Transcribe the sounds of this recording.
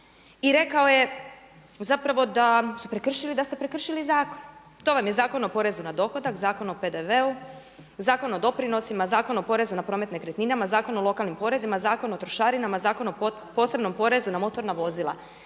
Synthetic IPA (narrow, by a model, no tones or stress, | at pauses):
iɾe̞kao̞je | zapɾaʋo̞d̪asupɾe̞kr̩ʃilid̪ast̪e̞pɾe̞kr̩ʃilizaːkon | t̪o̞ʋamjezaːko̞no̞po̞ɾe̞zunad̪o̞xo̞d̪akzaːko̞nope̞d̪e̞ʋe̞u | zaːko̞no̞d̪o̞pɾino̞simazaːko̞nopo̞ɾe̞zunapɾo̞ːme̞t̪ne̞kɾet̪ninamazaːko̞nolˠo̞kalˠnimpo̞ɾe̞zimazaːko̞not̪ɾo̞ʃaːɾinamazaːko̞no | po̞ːse̞bno̞mpo̞ɾe̞zunamo̞t̪o̞ɾnaʋo̞zilˠa̰